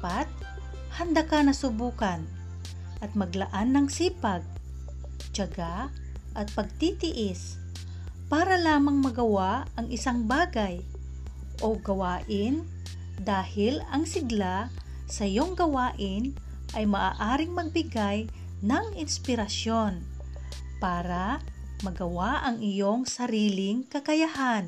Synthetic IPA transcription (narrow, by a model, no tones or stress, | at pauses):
pat̪̚ | hɐnd̪akanɐsʊbuːkɐn | ʔɐt̪̚mɐɡlɐʔanːɐŋsiːpɐɡ̚ | t͡ʃɐɡa | ʔɐt̪̚pɐɡ̚t̪it̪ɪʔɪs | paːɾɐlaːmɐŋmɐɡɐwaɐŋʔɪsaŋbaːɡaj | ʔoɡɐwaːʔɪn | d̪aːhɪlɐŋsɪɡla | sɐʔɪjo̞ŋɡɐwaːʔɪn | ʔɐjmɐʔaːʔaːɾɪŋmɐɡ̚bɪɡaj | nɐŋɪnspɪɾɐso̞n | paːɾɐ | mɐɡɐwaʔɐŋɪjo̞ŋsɐɾiːlɪŋkɐkɐjahan